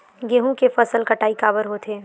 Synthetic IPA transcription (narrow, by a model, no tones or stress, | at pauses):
ɡeːɦũkefəsəlkəʈaːikaːbəɾɦoːt̪ʰeː